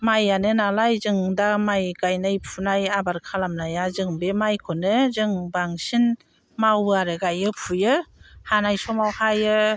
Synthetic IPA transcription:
majːanɯnalajzɯŋdamajɡajnajpʰunajabaɾkʰalamnajazɯŋbemajkʰɔnɯzɯŋbaŋsin | mawɯaɾɯɡajɯpʰujɯhanajsɔmawhajɯ

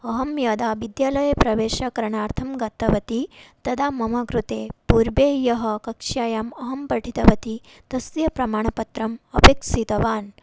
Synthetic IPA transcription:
ɐɦɐmjaːd̪aːʋid̪jaːlɐjɐpɾɐʋeːʃɐkɐɾɐɳaːɾt̪ʰɐmɡɐt̪ːɐʋɐt̪it̪ɐd̪aːmɐmɐkɾut̪eːpuːɾbeːjɐɦɐ̆kɐkʂaːjaːmɐɦɐmpɐʈʰit̪ɐʋɐt̪i | t̪ɐsʋjɐpɾɐmaːɳɐpɐt̪ɾɐmɐpeksit̪ɐʋaːn

